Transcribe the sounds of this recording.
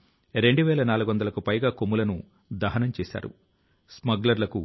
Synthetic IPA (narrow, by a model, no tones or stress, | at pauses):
ɾe̞ɳɖuʋɛːlɐnaːluɡuʋɐnd̪ɐlɐkupɐjɡaːkomːulɐnu | d̪ɐɦɐnɐmt͡ʃɛːsa̰ːɾṵ | smɐɡlɐɾlɐku